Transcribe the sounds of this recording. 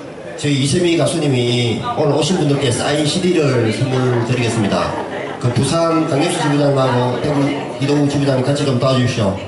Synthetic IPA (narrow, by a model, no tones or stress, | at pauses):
t͡ɕɯisʰemikas͈ʰuɲimionoɕʰinbundɯɭk͈e̞s͈a̰iɕʰidiɾɯɭsʰɯmɯtɯɾiɡe̞ts͈ɯmɲida̰ | kɯpusʰant͡ɕaŋɲʌps͈ʰut͡ɕibudaŋmaɾoteɡu | kidount͡ɕibud͡ʑanikat͡ɕʰiɡɯmtoad͡ʑuɕʰo